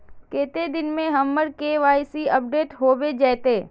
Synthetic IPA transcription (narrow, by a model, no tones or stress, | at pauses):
keːt̪ed̪ɪnmẽɦɐmːəɽkeʋaːsiɐp̚ɖeːʈɦoːbed͡ʒɛːt̪eː